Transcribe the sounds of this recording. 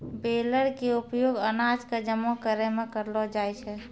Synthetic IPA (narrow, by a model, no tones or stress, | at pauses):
beːləɾkeʊpjoːɡənaːd͡ʒkad͡ʒəmõkəɾemẽkəɾlɔd͡ʒaːjt͡ʃʰɛ